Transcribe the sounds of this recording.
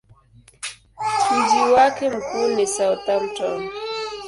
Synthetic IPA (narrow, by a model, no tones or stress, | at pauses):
t͡ʃid͡ʒiwakɛm̩kuːnisawtam̩tɔm